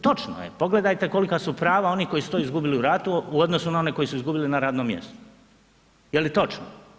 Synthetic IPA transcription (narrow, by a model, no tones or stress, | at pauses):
t̪o̞t͡ʃno̰jepo̞ɡle̞d̪ajt̪e̞ko̞likasupɾaːʋao̞nihko̞jisu̥t̪oizɡubiliuɾat̪uuod̪no̞sunao̞ne̞ko̞jisuizɡubilinaɾaːd̪nomːjḛst̪o̥ | jelit̪o̞t͡ʃno